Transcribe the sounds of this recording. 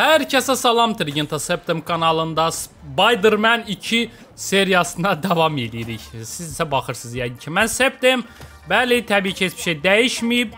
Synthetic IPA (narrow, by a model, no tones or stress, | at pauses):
hæɾcʰæsæsɑlˠɑmt̪ʰɾiɡint̪ʰɑsept̪emkʰɑnɑlˠɯnd̪ɑsbɑjd̪ɯɾmænicʰi | se̞ɾijɑsɯnɑd̪ɑvɑmelijɾiçsizisæbɑχɯɾsɯzjæɡɯncʰimænsep̚t̪em | bælit̪ʰæbiːcʰiesb̥i̥ʃejd̪æjiʃmijib̚